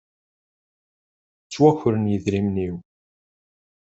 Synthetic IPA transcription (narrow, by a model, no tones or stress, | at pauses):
t͡sːwæçɾənjəðɾimniw